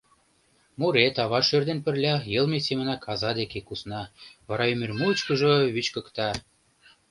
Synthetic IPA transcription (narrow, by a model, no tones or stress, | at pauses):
muɾet̪ɑβɑʃørd̪enpə̆rlʲɑjə̆lmesemə̆nɑkʰɑzɑd̪ekekusnɑβɑɾɑymermut͡ɕkə̆ʒɤβyt͡ɕkə̆kt̪ɑ